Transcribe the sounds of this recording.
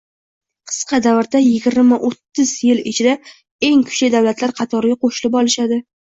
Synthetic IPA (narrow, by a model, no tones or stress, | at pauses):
qʰɨ̥sqʰɑd̪avɪɾd̪ajɪɡʲɪɾmaʔot̪ːɪzjɪlɪt͡ʃʰɪd̪a | e̞ŋkʰʊ̥ʃlajd̪awlat̪ʰlaɾqʰɑt̪ʰɒɾɪɡʲaqʰoʃɪlɪpɒlˠɪʃad̪ɪ